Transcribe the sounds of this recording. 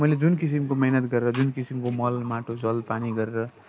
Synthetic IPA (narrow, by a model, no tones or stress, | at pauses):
mʌjled͡zunkisimkomʌɦnʌt̪ɡʌɾeɾʌd͡zunkisimkomʌlmaʈʰod͡zʌlpaniɡʌɾeɾʌ